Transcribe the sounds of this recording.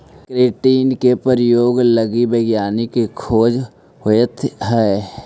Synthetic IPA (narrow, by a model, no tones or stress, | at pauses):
kɾeːʈiːnkepəɾjoːɡləɡibeːɡjaːnikekʰoːd͡ʒ | ɦoət̪ʰɦɛ